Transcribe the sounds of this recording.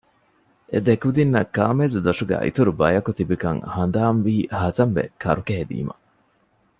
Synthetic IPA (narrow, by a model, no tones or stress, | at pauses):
ed̪ekud̪inːɐkːaːmezud̪ɐʂuɡæ̰ːʔḭt̪uɾubɐjɐkut̪ibikɐ̰ŋhɐnd̪aːmʋiːhɐzɐmʋḛkʰɐ̰ɾukeɦed̪ḭːmɐ̰